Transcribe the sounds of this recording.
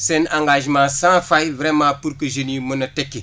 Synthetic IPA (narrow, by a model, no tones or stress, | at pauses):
sɛnãŋɡaʒmãsãfajvɾemãːpuɾkəʒenimunɐtekːe